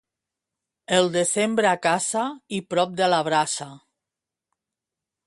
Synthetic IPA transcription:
elˠd̪ezembɾeakasaipɾɔp̚d̪eəlaβ̞ɾasa

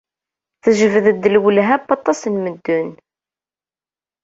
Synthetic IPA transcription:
θəʒəvəðəd̪ːəlwəlɦæpːɑt̪ˤːɑsənməd̪ːʊn

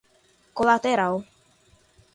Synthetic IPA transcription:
kolat̪eɾaw

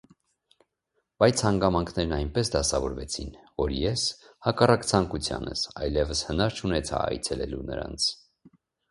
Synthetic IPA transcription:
b̥ɑjt͡sʰhɑŋɡɑmɑŋkʰnɛɾnɑjnpɛsd̪ɑsɑvɔɾvɛt͡sʰinvɔɾjɛshɑkɑrɑkt͡sʰɑŋkut͡sʰjɑ̰nə̰sɑjlɛvəshənɑɾt͡ʃʰunɛt͡sʰɑ̰ɑ̰jt͡sʰɛlɛlunə̰ɾɑ̰nt͡sʰ

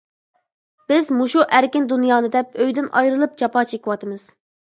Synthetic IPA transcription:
b̥ɪzmuʃuʔæɾkʲɪnd̪unjɑːnɨd̪ɛp̚øjd̪ɪnʔɑ̰jɾɨlˠɨp̚t͡ʃʰɑpɑːt͡ʃʰekʲiwɑt̪ʰɨmɨz̥

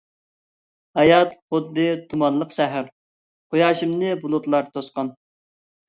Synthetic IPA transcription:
hɑjɑt̪χʊd̪ːɨt̪ʰumɑnlˠəqʃæɦæɾ | χojɑːʃimnɨbulˠʊt̪lˠɑɾt̪ʰosqɑn

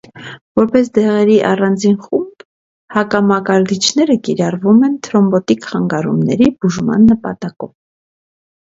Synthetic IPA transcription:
vɔɾpɛsd̪ɛʁɛɾiʔɑrɑnd͡zinχumb̥ | hɑkɑmɑkɑɾd̪it͡ʃʰnɛɾəkiɾɑrvumɛnt̪ʰɾɔmbɔt̪ikχɑŋɡɑɾṵmnɛ̰ɾib̥uʒmɑ̰nːəpɑt̪ɑkɔ̰v

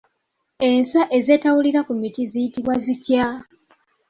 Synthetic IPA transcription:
e̞nswaʔe̞ze̞ːtawuliɾakumitizijitiβwazitja

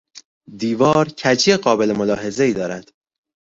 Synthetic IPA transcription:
d̪iːvɒːɾcʰæd͡ʒijeɢɒːbe̞lemo̞lɒːɦe̞ze̞iːd̪ɒːɾæd̪̥

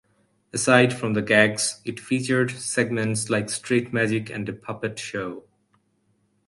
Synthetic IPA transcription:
əsaɪdfɹʌ̃mðəɡæɡz̥ɪtfit͡ʃə˞dsɛɡ̚mɨ̃ntslaɪkstʰɹ̥et̚mæd͡ʒɪkɨ̰̃ndɨpʰʌpɨtʃoʊ

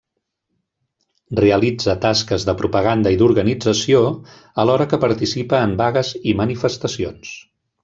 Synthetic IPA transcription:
reəlid͡zət̪askəzðəpɾupəɣ̞and̪əiðuɾɣənid͡zəsio | əlɔɾəkəpəɾt̪isipəːmbaɣəzimənifəst̪əsions

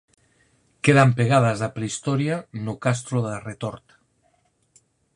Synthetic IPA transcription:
keðampeɣaðazðapɾeist̪ɔɾjanukast̪ɾoðeret̪oɾt̪

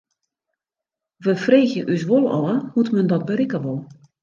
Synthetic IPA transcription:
ʋəfreːxjəʔysʋolˠɔ̰əhutməndɔt̚bəɾɪkəʋolˠ

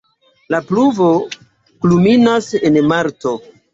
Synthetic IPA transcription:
lapluvo̞ | kluminasenmaɾto̞

